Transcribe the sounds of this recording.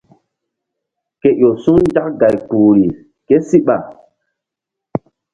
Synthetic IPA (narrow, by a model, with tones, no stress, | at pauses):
ke˨ʔo˨su˦ŋd͡ʒa˦kɡa˨jpuː˨ɾi˨ | ke˦si˦ɓa˨